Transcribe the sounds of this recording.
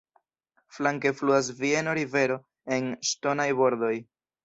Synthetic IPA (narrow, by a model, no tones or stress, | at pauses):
flaŋke̞fluas̬vie̞no̞ɾive̞ɾo̞ | e̞nʃto̞najbo̞ɾd̪o̞j